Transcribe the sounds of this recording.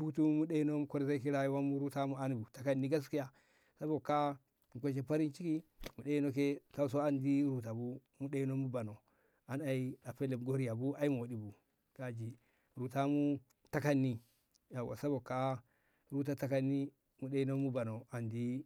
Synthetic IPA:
pu˦tu˦mu˦ɗe˦i˦no˦mu˦ko˦ɾza˦ki˦ɾa˦ji˦wa˦mu˦ɾu˦ta˦mu˦a˦n˨bu˨ta˦ka˦nːi˦ɡa˦s̬ki˦ja˦ | sa˦bo˨kːa˦ | m̩˨ko˦ʃ̬e˦pa˦ɾi˦nt͡ʃi˦ki˦mu˨ɗe˦i˦no˦ke˦ka˦u˦s̬o˦a˦ndi˦ɾu˨ta˨bu˦ | mu˦ɗe˦i˦no˦mu˦ba˨no˨ | a˨na˨i˦a˨pe˦le˨mɡo˦ɾi˦ja˨bu˦a˦ji˦mo˨di˨bu˨ | ka˨d͡ʒi˨ | ɾu˨ta˦mu˦ | ta˦ka˦nːi˦ | ja˨wa̰˨sa˦bo˨ka˦ | ɾu˦t̬a˦ta˦ka˦nːi˦ | mu˨ɗe˦i˦no˦mu˦ba˨no˨a˨ndi˦

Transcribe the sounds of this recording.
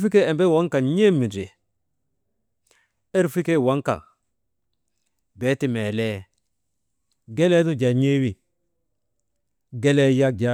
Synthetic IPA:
fi˦ke˦ɛ˨mbe˦wa˦ŋka˨ɲe˦mːi˨d͡ʒe˨ | e˦ɾfi˦ke˦˨wa˦ŋka̰˨ | bɛ˨˦ti˦mɛ˨lɛ˦ | ɡɛ˦lɛ˦tu˦d͡ʒa˨ɲe˦wi˨ | ɡɛ˦lɛ˦ja˦k̚d͡ʒa˦

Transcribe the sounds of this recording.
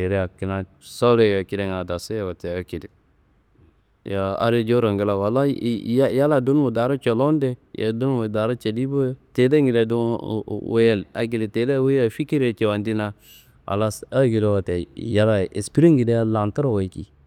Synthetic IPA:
e˨ɾe˦a˨ki˨na˦ | so˦le˦˨ja˨ki˦de˨ŋa˨da˨so˦ja˨wa˨te˨a˦ki˨de˨ | ja˨a̰˦ɾe˦d͡ʒo˦ɾo˨ŋɡi˦la˨wa˨lːa˦ja˦ja˦la˨du˦n˦wo˨da˨ɾa˦t͡ʃo˨lo˦nde˦ja̰˨du˦wo˨da˨ɾa˦t͡ʃe˨di˦bo˦jo˦te˨de˦ŋɡi˨le˨du˦we˦je˦la̰˨ɡi˨li˨te˨˦de˦we˦ja˨fi˦ki˦ɾe˨t͡ʃe˨wa˨ndi˦na˦ | a̰˨lːa˦sa˦ɡi˨do˦wa˨te˨ja˦la˨ḛ˨spi˦ɾi˦ŋɡi˨de˦a˦la˨nta˦ɾo˨wa˨i˦kḭ˨

